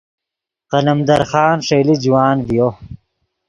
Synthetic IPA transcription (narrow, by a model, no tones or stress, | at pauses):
qɐlɐmd̪ɐɾxɑːnʂeːlid͡ʑiwaːnvijo